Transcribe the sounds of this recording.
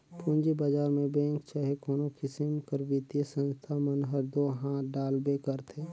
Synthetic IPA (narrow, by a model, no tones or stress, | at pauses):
pũːɲd͡ʒibad͡ʒaːɾmẽbɛ̃ːŋkt͡ʃaːɦekɔːnokɪsɪmkəɾʋɪt̪jəsə̃nst̪ʰamənɦəɾd̪oɦãɖaːlbekəɾt̪ʰeː